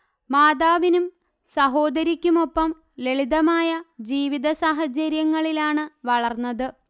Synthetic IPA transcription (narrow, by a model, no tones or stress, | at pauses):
maːd̪aːʋinum | sɐɦo̞ːd̪ɐɾikʲːumo̞pːɐm | le̞ɭiðɐmaːjɐd͡ʑiːʋiðɐsaːɦɐt͡ɕɐɾjɐŋːɐɭilaːɳɨʋɐɭɐrnːɐðɨ